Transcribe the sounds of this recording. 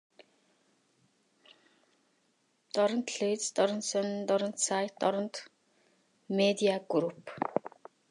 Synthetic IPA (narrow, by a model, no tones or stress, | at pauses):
t̪ɔɾɞ̆nt̪ɮeit͡st̪ɔɾɞ̆nt̪sœnt̪ɔɾɞ̆nt̪sajt̪ɔɾɞ̆nt̪ | med̪iaɡuɾup